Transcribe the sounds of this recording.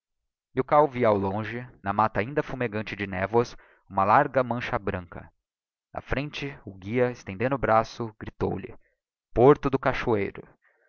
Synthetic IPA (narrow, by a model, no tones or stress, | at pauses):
ɪʊkawviɐawlõʒɪnɐmat̪ɐaĩnd̪ɐfumeɡɐ̃nt͡ʃɪd͡ʒɪnɛvwɐs | ũmɐlaɾɡɐmɐ̃ʃɐbɾɐ̃ŋkɐ̰ | nʔɐ̰fɾẽnt͡ʃɪʊɡiɐɪst̪ẽd̪ẽnd̪ʊʊbɾasʊɡɾit̪o̰wlɪ̰ | poɾt̪ʊd̪ʊkaʃuḛjɾʊ